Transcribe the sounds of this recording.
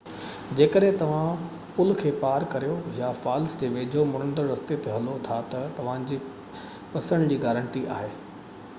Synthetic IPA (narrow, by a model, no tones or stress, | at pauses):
d͡ʑeːkəɗɦẽt̪ɐʋ̤ã | pʊlkʰeːpaːɾkɐɾijojafaːlsd͡ʑeːʋeːd͡ʑʱomʊɽəɳɖəɾɐst̪et̪eɦɐlot̪ʰat̪ɐt̪ɐʋ̤ãd͡ʑiː | pɐsə̃nd̪d͡ʑiːɡaːɾə̃ɳʈiʔa̰ːɦeː